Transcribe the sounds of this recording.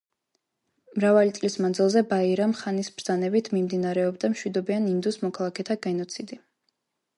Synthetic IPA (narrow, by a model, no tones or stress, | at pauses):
mɾavalit̪sʼlismand̪zilˠzɛbaiɾamχanisbɾd̪z̥anɛbit̪ʰmimd̪inaɾɛɔbd̪amʃwid̪ɔbianind̪usmɔkʰalˠakʰɛt̪ʰaɡɛnɔt̪sʰid̪i